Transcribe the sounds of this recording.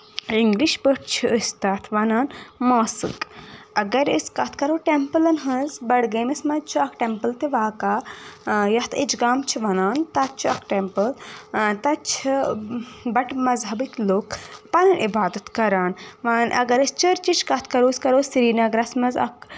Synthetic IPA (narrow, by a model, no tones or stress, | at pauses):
iŋɡliʃbəʈt͡ʃʰuəst̪ɐt̪ʰʋɐnaːnmaːsɨ̰kɐɡɐɾəskɐt̪ʰkɐɾoːʈempəlɐnɦɐzbɐɽɡɐːmɐsmɐzt͡ʃʰuɐkʈempəlt̪iʋaːkaː | jɐt̪ʰid͡ʒɡaːmt͡ʃʰiʋɐnaːnt̪ɐt̚t͡ʃʰuɐ̰kʰʈempəlt̪ɐt͡ʃʰi | bɐʈmɐzɦɐbikloːkpɐnɐnʔibaːd̪ɐt̪kɐɾaːnʋanʔɐ̰ɡɐɾəst͡ʃəɾt͡ʃit͡ʃʰkɐt̪ʰkɐɾoːskɐɾoːsɾiːnɐɡɾɐsmɐzɐ̰k